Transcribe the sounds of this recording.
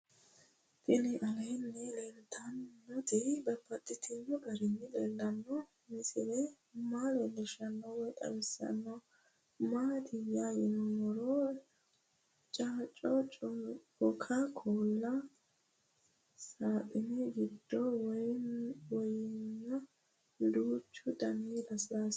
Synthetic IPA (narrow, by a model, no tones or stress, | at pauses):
t̪ʼɪnɪʔɐlɐjnːɛlɛnt̪ʰːɐnːɔt̪ɪbɐpːɐt̪ʼːɪt̪ʰɪnːɔɡɐɾɪnːɪd̪ɛlːɐnːɔ | mɪsɪd̪ɛ | maːlɔlɛʃɐnːɔwɔjt̪ʼɐ̰wɛsɐ̰nːɔ | maːt̪ʰɪjajɪnmɔɾɔ | t͡ʃʼaːt͡ʃʼːɔt͡ʃʼʊ | ɔkʰakʰoːlːɐ | saːt̪ʼɪnɛɡɪd̪ːɔw | wɔjɪnːɐ | d̪uːt͡ʃːʊd̪ɐnːid̪ɐsɾas